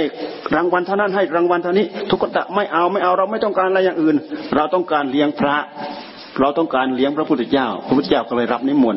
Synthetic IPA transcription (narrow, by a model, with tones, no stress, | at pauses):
hjɾaː˧ŋwa˧nt̪ʰa˥˩˨na˥˩nɦa˥˩jɾaː˧ŋwa˧nt̪ʰa˧niː˦˥t̪ʰu˦˥kːa˧˩t̪a̰˨˧˩ʔma˥˩jʔa˧wma˥˩jʔa˧wɾa˧wma˥˩jt̪ɔ˥˩ŋkaː˧nʔa˧jaː˨˩ŋʔɯː˨˩nɾa˧wt̪ɔ˥˩ŋkaː˧nli˦˥əŋpʰɾa˦˥ | ɾa˧wt̪ɔ˥˩ŋkaː˧nli˦˥əŋpʰɾa˦pʰu˥˩t̪ʰːe˧˩t͡ɕaː˥˩wpʰp̪̚ʰːaː˥˩wkɔ˧˩lɤː˧jɾa˦˥p̚ni˦˥˩mu˨˩n